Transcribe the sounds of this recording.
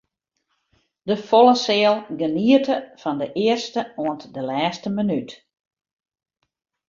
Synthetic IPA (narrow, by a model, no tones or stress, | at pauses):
dəfolˠəsɪəlˠɡəniətəfɔndəʔɪərstəoəntdəlɛːstəmənyt